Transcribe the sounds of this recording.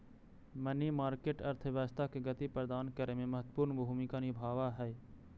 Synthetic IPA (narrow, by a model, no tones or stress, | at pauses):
mənimaːɾkeːʈɐɾt̪ʰəʋaːst̪ʰakeɡət̪ipɾəd̪aːnkəɾemẽmɐɦət̪ːpuːɾnbʱuːmikanɪbʱaːʋaɦɛː